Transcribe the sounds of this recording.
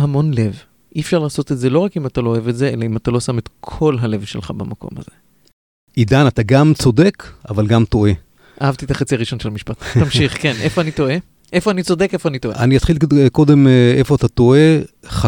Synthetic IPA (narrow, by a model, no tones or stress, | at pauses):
hamo̞nle̞v | ʔifʃaʁlaːso̞t̪etze̞lo̞ʁakimat̪alooevetze̞e̞laimat̪alo̞samet̪kʰo̞lɦale̞vʃelχa̰bamako̞̰ma̰ze̞ | id̪anat̪aɡamt͡so̞de̞kavalɡamt̪o̞e̞ | ʔahavt̪it̪aχat͡siaʁiʃo̞nʃelamiʃpat̪t̪ammʃiχkenʔefoanit̪o̞e | ʔe̞foanit͡so̞de̞kefoanitoʔea̰nijat̪χilko̞d̪e̞mefo̞at̪at̪o̞ʔe̞χa